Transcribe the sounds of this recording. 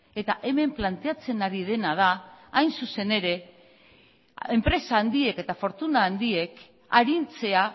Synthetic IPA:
e̞t̪aʔe̞me̞mplant̪e̞at͡se̞naɾið̞e̞nað̞aːjnsuse̞ne̞ɾe̞ | e̞mpɾe̞saːnd̪ie̞ke̞t̪afo̞ɾt̪unaːnd̪ie̞k | aɾint͡se̞a

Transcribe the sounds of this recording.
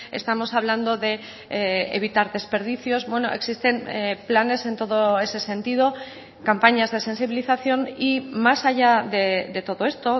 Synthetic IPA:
e̞̰st̪amo̞saβland̪o̞ðe̞ | eḛβ̞it̪aɾðe̞spe̞ɾð̞iθjo̞zbwe̞no̞e̞ksist̪e̞nplane̞se̞nt̪o̞ðoe̞se̞sẽ̞nt̪ið̞o̞ | kampaɲazðe̞se̞nsiβiliθaθjo̞nimasaʝaðeðe̞t̪o̞ðo̞e̞st̪o̞

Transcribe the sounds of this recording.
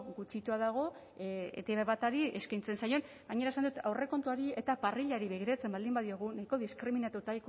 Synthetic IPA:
ɡut͡ʃit̪uaðaɣ̞o̞ | ḛt̪eβaβat̪aɾie̞skajnt͡se̞nsajo̞n | ɡaɲe̞ɾaesand̪ut̪awre̞ko̞nt̪uaɾie̞t̪apariʎaɾiβeɣ̞iɾat͡se̞mbald̪imbaðio̞ɣ̞unajko̞ðiskɾiminat̪ut̪ajk

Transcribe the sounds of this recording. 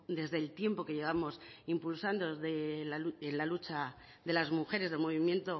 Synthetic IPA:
d̪e̞zðe̞lt̪je̞mpo̞ke̞ʝe̞β̞amo̞simpulsand̪o̞ðelaluenlalut͡ʃa | ðe̞lazmuxe̞ɾe̞zðe̞lmo̞βimje̞nt̪o̞

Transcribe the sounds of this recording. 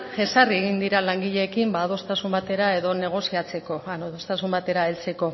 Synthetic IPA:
e̞sarieɣind̪iɾalaŋɡiʎe̞ːkimbaːðo̞st̪asumbat̪e̞ɾae̞ðo̞ne̞ɣ̞o̞siat͡se̞ko̞anoðo̞st̪asumbat̪e̞ɾae̞lt͡se̞ko̞

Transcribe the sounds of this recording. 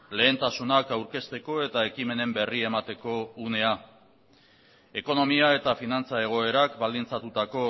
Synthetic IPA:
le̞ːnt̪asunakawɾke̞st̪e̞ko̞e̞t̪ae̞kime̞ne̞mbe̞rie̞mat̪e̞ko̞une̞a | e̞ko̞no̞miae̞t̪afinant͡sae̞ɣ̞o̞e̞ɾakbald̪int͡sat̪ut̪ako̞

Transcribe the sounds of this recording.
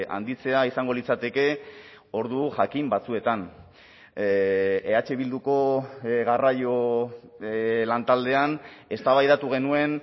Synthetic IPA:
a̰nd̪it͡se̞aisaŋɡo̞lit͡sat̪e̞ke̞ | o̞ɾðuʝakimbat͡sue̞t̪an | eat͡ʃe̞βild̪uko̞ɣarajo̞ | lant̪ald̪e̞ane̞st̪aβajðat̪uɣe̞nue̞n

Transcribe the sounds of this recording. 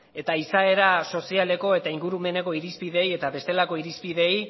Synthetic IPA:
e̞t̪aisae̞ɾaso̞siale̞ko̞e̞t̪aiŋɡuɾume̞ne̞ko̞iɾispið̞e̞je̞t̪aβe̞st̪e̞lako̞iɾispiðe̞j

